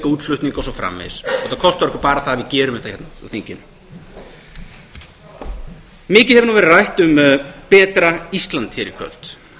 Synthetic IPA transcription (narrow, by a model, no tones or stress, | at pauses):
kauːt̪lʏht̪niŋkɔwsɔfɾa̰mːɛ̰ðsɔɛt̪akʰɔst̪vɔɾɛkvʏ̥paːɾaθaːvɪðcɛːɾʏmɛht̪ḁhçɛt̪naθiɲcɪn | mɪːcɪhɛvʏnuvɛɾɪrajht̪ʏmpɛːt̪ɾaist̪lant̪ʰçɛɾɪkʰvœ̰l̥t̪